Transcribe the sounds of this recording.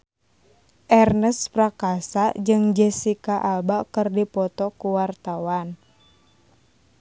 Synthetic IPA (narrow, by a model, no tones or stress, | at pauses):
ʔɛrnəsprakasad͡ʒɨŋd͡ʒɛsikaʔalbakərdipɔt̪ɔkuwart̪awan